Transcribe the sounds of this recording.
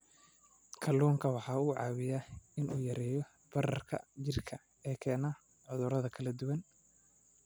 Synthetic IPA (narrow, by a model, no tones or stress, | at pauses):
kʰɐluːŋkʰɐwɑħɑːuːʕɑːwɪjaːɪnʔṵːjɐɾɛːjɔ | b̥ɐrɐ̰rkʰɐ̰t͡ʃɪrkʰɐ | ɛːkʰɛːna | ʕʊðʊɾɐðɐkʰɐlɐd̪ʊwɐn